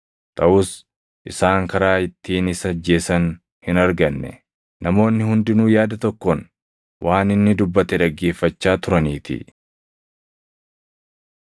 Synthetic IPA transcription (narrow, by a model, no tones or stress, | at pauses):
t̪ʼɐʔʊs | ʔɪsaːŋkɐɾaːɪt̪ːiːnɪsɐd͡ʒːe̞ːsɐn | hɪnɐɾɡɐnːɛ̰ | nɐmo̞ːnːɪhʊnd̪ɪnuːjaːd̪ɐt̪ɔkːon | wʔaːnɪnːɪd̪ʊbːɐt̪ɛᶑɐɡːe̞ːfːɐt͡ʃːaːt̪ʊɾɐniːt̪ɪ̰